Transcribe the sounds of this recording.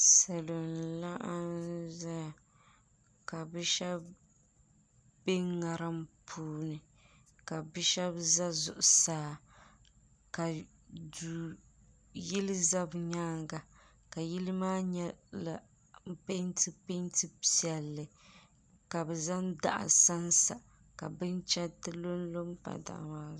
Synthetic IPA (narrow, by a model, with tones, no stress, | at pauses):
sɛ˨lo˨nla˦ʔa˦nza˦˨ | ka˨bɛ˦ʃɛ˦b | be˦ŋa˨ɾa˦mpʰuː˦nɨ˨ | ka˨bɛ˦ʃɛ˦bza˦zʊ̰˨ʔʊ˨saː˨˦ | ka˨ | du˨ | jɪ˦lɨ˦za˦bɲaː˦ŋɡa˨ | ka˨ji˦lɨ˦maː˦ɲɛ˦la˨ | m̩˦pe˦ntɨ˦pe˦ntɨ˦pi˦˨ɛ˨lːɨ˨ | ka˨bɛ˨za˦nda̰˨ʔa̰˨sa˦nsa˨ | ka̰˨bɨ˦nt͡ʃɛ˦tɨ˦lo˦n˦lo˦mpa̰˨da̰˨ʔmaː˦